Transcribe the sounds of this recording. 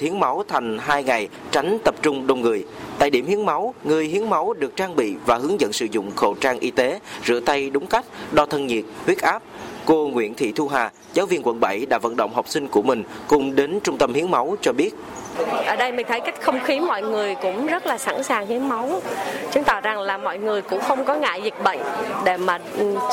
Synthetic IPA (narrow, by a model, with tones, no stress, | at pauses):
i˨˦əŋma˨˦wt̪ʰa˨˩jŋ̟ɦaː˧jŋa˨˩j | t͡ɕa˨˦jŋ̟t̪ə˨˩p̚t͡ɕʊ˧ŋ͡mɗo˧˩wŋ͡mŋɨ˨˩əjt̪a̰ː˧˨jɗi˧˩əmhi˨˦əŋma˨˦wŋɨ˨˩əjɦi˨˦əŋma˨˦wɗɨ˨˩ək̚t͡ɕaː˧ŋɓḭ˧˨vaː˨˩hɨ˨˦əŋzə̰˧˨nsɨ̰˧˩zʊ̰˧˨ŋ͡mxo̰˧˨t͡ɕaː˧ŋʔi˧t̪e˨˦zɨ̰˧˥ət̪a˧jɗʊ˨˦ŋ͡mka˦˥jk̟̚ɗɔ˧t̪ʰə˧nɲi˨˩ət̚hwi˦˥ət̚ʔaː˦˥p̚ko˧ŋwḭ˧˨ənt̪ʰḭ˧˨t̪ʰu˧ɦaː˨˩ | zaː˨˦wvi˧ənkwə̰˧˩nɓə˧˩jɗa̰ː˧˥və̰˧˨nɗə̰˧˨wŋ͡mɦɔ˨˩wk͡p̚sï˧ŋ̟ku˧˩əmï˨˩ŋ̟kʊ˨˩ŋ͡mɗe˨˦nt͡ɕʊ˧ŋ͡mt̪ə˧mhi˨˦əŋma˨˦wt͡ɕɔ˧ɓi˦˥ət̚ | ʔəː˧˩ɗə˧jmï˨˩ŋ̟t̪ʰə˨˦jka˦˥jk̟xə˧wŋ͡mxi˨˦mɔ̰˧˨jŋɨ˨˩əjkʊ̰˧˥ŋ͡mzə˦˥t̚laː˨˩saː˧˩nsaː˨˩ŋhi˨˦əŋma˨˦wt͡ɕɨ˨˦ŋt̪a̰ː˧˨˩za˨˩ŋlaː˨˩mɔ̰˧˨jŋɨ˨˩əjkʊ̰˧˥ŋ͡mxə˧wŋ͡mkɔ˨˦ŋa̰ː˧˨jzï˨˩k̟̚ɓə̰˧˨jŋ̟ɗe˧˩maː˨˩˨